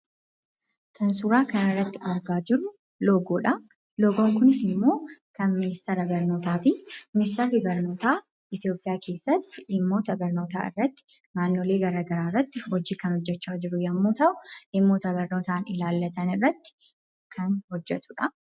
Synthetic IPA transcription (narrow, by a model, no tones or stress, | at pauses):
t̪ʰɐnsuːɾaːkɐnɪrːɐt̪ːɪɐɾɡaːd͡ʒɪɾːʊ | loːɡoːᶑɐ | loːɡoŋkʊnɪsɪmːo̞ːkɐnmɪnɪst̪ɛɾɐbɐɾno̞ːt̪aːt̪imɪnɪst̪ɐɾːɪbɐɾno̞ːt̪aː | ɪt̪ijo̞ːpʼːɪjaːkʰe̞ːsːɐt̪ːɪɪmːo̞ːt̪ɐbɐɾno̞ːt̪a̰ːɪ̰rːɐt̪ːɪ̥ | naːnːoːle̞ːɡɐɾaːɡɐɾaːrːɐt̪ːɪhɔd͡ʒiːkɐnhɔd͡ʒːɛt͡ʃːaːd͡ʒɪɾʊjɐmːuːt̪ɐʔʊʔɪmːo̞ːt̪ɐbɐɾno̞ːt̪aːnɪlaːlːɐt̪ɐnɪrːɐt̪ːɪ̥ | kʰɐnhɔd͡ʒːɛt̪ʊᶑɐ